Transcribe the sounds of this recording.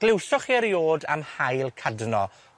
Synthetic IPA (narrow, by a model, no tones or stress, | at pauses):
ɡ̥lɪwsɔχiəɾjoːda̰mhajlˠkʰadnɔ